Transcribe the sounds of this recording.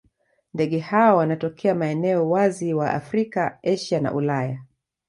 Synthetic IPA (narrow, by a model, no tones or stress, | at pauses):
ndɛɠɛhaɔwanatɔkʰɛamaɛnɛɔwaziwaʔa̰fɾikaɛʃana̰ʔulaja